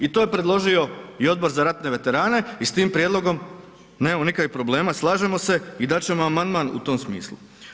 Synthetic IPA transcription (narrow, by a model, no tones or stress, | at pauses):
it̪ojepɾe̞d̪lˠo̞ʒio̞io̞d̪̚bo̞ɾzaɾat̪ne̞ʋe̞t̪e̞ɾaːne̞ist̪iːmpɾje̞d̪lˠo̞ɡo̞m | neːmamo̞nikaipɾo̞ble̞ːmaslˠaːʒe̞mo̞se̞id̪at͡ɕe̞mo̞amand̪manṵt̪o̞msmḭːslˠṵ